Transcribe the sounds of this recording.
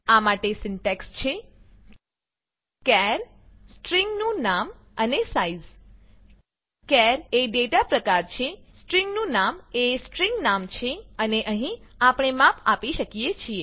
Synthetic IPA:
amaʈesɪɳʈɛkst͡ʃʰe | kɛɾ | sʈɾiŋɡnũnam | ənesaiz | kɛɾeɖeʈapɾəkaɾt͡ʃʰesʈɾiŋɡnũnamesʈɾiŋɡnamt͡ʃʰeəneʔəɦĩapɳ̃emapʰapiʃəkijet͡ʃʰie

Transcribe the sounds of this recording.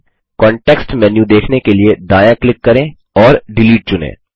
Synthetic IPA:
kɔ̃ːɳʈeːksʈmɛːnjũd̪eːkʰnekelied̪aːjaklɪkːɐɾẽː | ɔːɾɖɪliːʈ̚t͡ʃʊnḛ̃ː

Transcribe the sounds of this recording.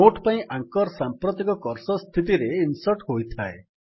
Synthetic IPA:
oʈʰpaĩʔaŋkɔɾsampɾɔt̪ikɔkɔɾsɔst̪ʰit̪iɾeinsɔʈɦojt̪ʰae

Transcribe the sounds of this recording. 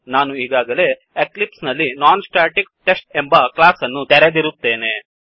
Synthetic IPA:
naːnuiːɡaːɡɐle̞ | eklipsnɐlːinaːnsʈaːɾʈik̚ʈesʈ̚embɐklaːsɐnːut̪ɛɾed̪iɾut̪ːe̞ːne̞

